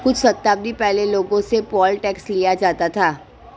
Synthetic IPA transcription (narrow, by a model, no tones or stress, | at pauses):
kʊt͡ʃʰsɐt̪ːaːb̚d̪ipɛɦleloːɡõsepɔːlʈɛːkslijad͡ʒaːt̪at̪ʰaː